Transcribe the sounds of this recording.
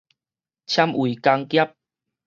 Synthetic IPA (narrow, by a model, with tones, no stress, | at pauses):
t͡ɕʰja˧mwi˨˩ka˧ŋkja˦˥p̚